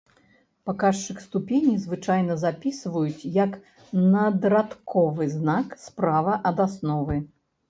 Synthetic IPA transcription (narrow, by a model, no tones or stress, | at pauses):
pakaʂt͡ʂɨxst̪upʲenʲizvɨt͡ʂajnɐzapʲisvɐjut͡sʲjɐk | nɐd̪ɾat̪kʰɔvɨznakspɾavɐʔɐd̪asnɔvɨ